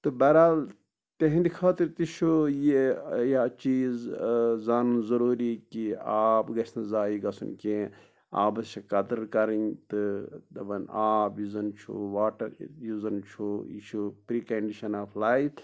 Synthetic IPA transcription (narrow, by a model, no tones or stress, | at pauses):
t̪ɨbɐɾaːl | t̪eɦĩnd̪ikʰaːt̪iɾʲt̪it͡ʃʰujejat͡ʃiːzzaːnunzɐɾuːɾikiaːpɡɐt͡ʃʰnɐzaːjiɡɐsṵnkʲẽː | a̰ːbɐt͡ʃʰikɐd̪ɨɾkɐɾɐnt̪ɨd̪ɐbɐnaːbjizɐnt͡ʃʰṵʋaːʈɐɾjuzɐnt͡ʃʰuḭt͡ʃʰupɾiːkɐɳɖiʃɐnaːflaːif